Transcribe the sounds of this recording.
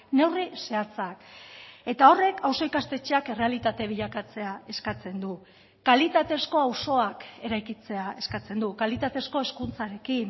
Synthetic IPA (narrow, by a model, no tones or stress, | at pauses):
ne̞wrise̞at͡sake̞t̪ao̞re̞kʰawso̞ikast̪e̞t͡ʃeakere̞alit̪at̪e̞β̞iʎakat͡se̞ae̞skat͡se̞nd̪u | kalit̪at̪e̞sko̞awso̞ake̞ɾajkit͡se̞ae̞skat͡se̞nd̪ukalit̪at̪e̞sko̞e̞skunt͡saɾe̞kin